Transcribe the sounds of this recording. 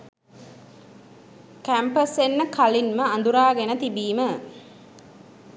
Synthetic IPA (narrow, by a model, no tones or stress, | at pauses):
kæmpəsenːəkalinməɐnd̪uɾaːɡenət̪ibiːmə